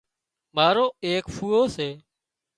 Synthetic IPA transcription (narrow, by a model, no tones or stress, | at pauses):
maːɾoːeːkpʰuːoːseː